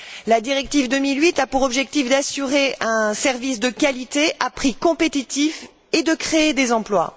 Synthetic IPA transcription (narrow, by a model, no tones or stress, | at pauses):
lad̪iʁɛk̚t̪ivd̪əmilɥit̪apuʁɔbʒɛk̚t̪ifd̪asyʁeɛ̃sɛʁvisd̪əkalit̪eʔapχikɔ̃pet̪it̪if | ed̪əkχeːd̪ezɑ̃plwa̰